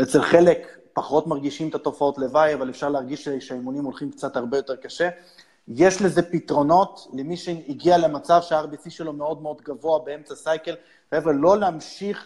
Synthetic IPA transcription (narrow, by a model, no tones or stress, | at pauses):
et͡selχe̞le̞kpaχo̞tmaʁɡiʃimt̪ato̞fao̞tle̞vajavalefʃaʁleaʁɡiʃeʃajmonimolχimkt͡sat̪haʁbejo̞t̪e̞ʁkaʃe̞ | je̞ʃleze̞pitʁo̞no̞tlemiʃeiɡialemat͡savʃeaaʁbisiʃe̞lo̞me̞o̞d̪meo̞d̪ɡavo̞abee̞mt͡sasajke̞l | χaeveʁlo̞leamʃiχ